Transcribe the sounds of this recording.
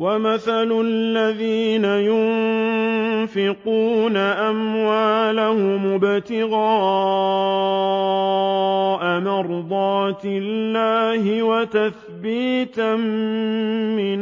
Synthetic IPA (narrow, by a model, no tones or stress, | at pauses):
wamaθalʊlːaðiːnajʊn | fɪquːnaʔamwaːlahʊmʊbt̪ɪɣɑː | ʔamɑɾd̪ˤɑːt̪ɪlːaːhɪwat̪aθ | biːt̪amː | ɪn